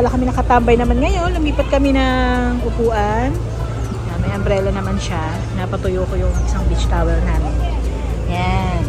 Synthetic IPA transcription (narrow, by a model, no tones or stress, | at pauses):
ɐlakɐmɪnɐkɐt̪ambɐjnɐmanŋɐjo̞nlʊmiːpɐt̪̚kɐmɛnɐŋʔʊpuːʔɐn | jamɐjʔɐmbɾɛːlɐnɐmanʃa | nɐpɐt̪ʊjoːkojʊŋɪsaŋbit͡ʃt̪aːwɛlnaːmɪnɲa | jan